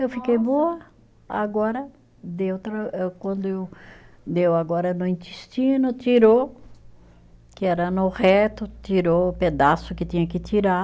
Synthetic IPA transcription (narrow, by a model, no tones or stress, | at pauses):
ewfikejboɐ | a̰ɡɔɾɐ | d̪ewt̪ɾɐewkwɐ̃nd̪ʊew | d̪ewaɡɔɾɐnʊĩnt̪ist͡ʃĩnʊt̪iɾo | kɪɛɾɐnʊhɛt̪ʊt̪iɾoped̪asʊkɪt̪ĩɲɐkɪt̪iɾa